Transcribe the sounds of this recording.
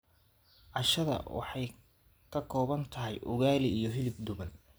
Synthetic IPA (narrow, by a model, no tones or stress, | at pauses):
ʕɑʃɐðɐ̰wɑ̰ħɑj | kʰɐkʰɔːβɐnt̪ʰɐɦɛjʔʊ̰ɣaːlɪijɞɦɪlɪb̚d̪ʊβɐn